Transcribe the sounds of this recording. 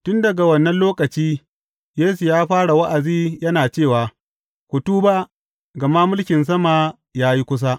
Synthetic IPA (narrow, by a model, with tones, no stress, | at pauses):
tʊ˦ndɐ˨ɡa˨wɐ˦nːɐ˦nloː˦kɐ˨t͡ʃiː˦ | jeː˦su˨jaː˦ɸaː˦ɽa˨wa˦ʔa˨ziː˦jɐ˦naː˨t͡ʃeː˦˨waː˨ | kʷʊ˨tuː˦ba˦ | ɡɐ˨ma˦mʊ˦lkʲɪ˨ns̬ɐ˦ma˨ | jaː˦ji˦kʷʊ˦s̬a˦ʔ